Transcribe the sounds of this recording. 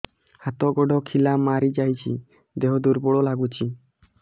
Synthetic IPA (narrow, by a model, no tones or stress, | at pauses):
hat̪ɔɡɔɖʱɔkʰilamaɾid͡ʒajt͡ʃʰḭ | d̪eɦɔd̪uɾbɔɽɔlaɡut͡ʃʰi